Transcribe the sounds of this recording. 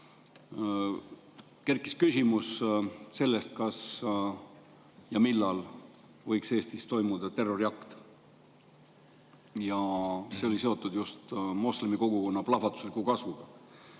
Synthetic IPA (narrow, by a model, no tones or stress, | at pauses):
ke̞ɾkːˑi̥skysʲimusse̞lːe̞st̪̚kɑs | jɑmilːɑl | vɤjkse̞ːst̪ist̪o̞jmud̪̥ɑt̪e̞rːo̞ɾjɑkt̪ | jɑse̞o̞lise̞o̞t̪ːˑud̪just̪mo̞slemiko̞ɡ̥uko̞nːɑplɑfɑt̪ˑu̥slikukɑsvuɡ̥ɑ